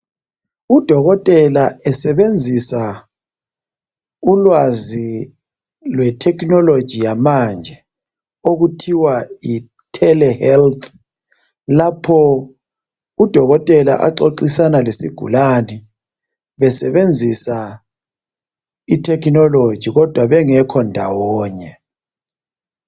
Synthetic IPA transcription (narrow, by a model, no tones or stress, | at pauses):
ud̥ʱɔɣɔtʼɛlaɛsɛβend͡zʱisa | ulwazi | lwɛtʰɛknɔlod̥ʒ̥ʱijamand͡ʒʱɛ | oɣutʰiwai | tʰɛlɛhɛlt̪ʰ | lapʰɔ | ud̥ʱɔɣɔtʼɛla̰ʔa̰ǃoǃisanalisiɡ̥ʱṵlani | βɛsɛβend͡zʱisa | itʰɛknɔlo̥ʒ̥ʱiɣɔd̥ʱwaβɛŋɛkʰɔndʱawɔːɲɛ